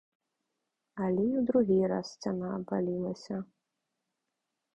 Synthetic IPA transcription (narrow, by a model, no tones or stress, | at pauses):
ɐlʲɛjiwd̪ɾuɣʲiɾa̰st͡sʲanaːbalʲilˠɐsʲɐ